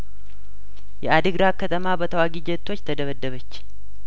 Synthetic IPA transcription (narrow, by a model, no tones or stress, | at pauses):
jɛad̪ɨɡɾakʰːət̪ʰəmabət̪ʰəwaɡid͡ʒɛt̪ʰːo̞t͡ʃːt̪ʰəd̪əβəd̪ːəβət͡ʃː